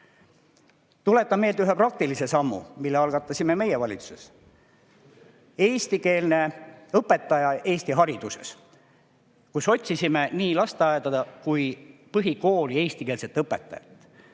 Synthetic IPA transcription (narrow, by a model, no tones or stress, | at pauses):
t̪ule̞t̪ːˑɑme̞jlt̪yɦeprɑk̚t̪ilise̞sɑmːṵmilːeɑlɡ̥ɑt̪ːˑɑsime̞me̞jevɑlʲit̪suses | e̞ːst̪ike̞ːlne̞ɤpːˑe̞t̪ːˑɑjɑe̞ːsʲt̪iɦɑɾid̪̥use̞̰s | kuso̞t̪ʲsisime̞niːlɑst̪eɑed̪ɑd̪ɑkujpɤɦiko̞ːlie̞ːsʲt̪ikeːlset̪ːˑɤpːet̪ːˑɑ̰jɑ̰t̪ːˑ